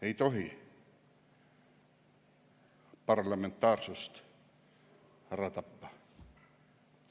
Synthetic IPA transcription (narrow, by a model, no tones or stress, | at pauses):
eit̪ohi | pɑrlɑment̪ːɑːrsust̪ | hæræt̪ɑpːɑ